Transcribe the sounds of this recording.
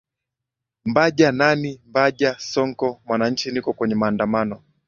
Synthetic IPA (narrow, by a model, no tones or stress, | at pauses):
mbaʄananimbaʄasɔŋkɔmwanaɲ̩t͡ʃinikɔkwɛɲɛmaːndamanɔ